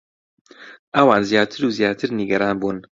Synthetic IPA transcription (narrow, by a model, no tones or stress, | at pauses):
ʔɐwaːnzijaːt̪ʰɨɾuːzjaːt̪ʰɨɾniɡɐɾaːnbuːn